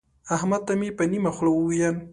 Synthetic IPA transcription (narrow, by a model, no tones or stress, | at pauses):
ahmad̪̚t̪amepənimaxlawuwijan